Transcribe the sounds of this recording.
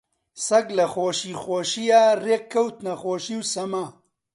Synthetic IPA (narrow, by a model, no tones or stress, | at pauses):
sɐɡlɐxoːʃiːxoːʃijaːreːkʰːɐwt̪nɐxoːʃiːwsɐmaː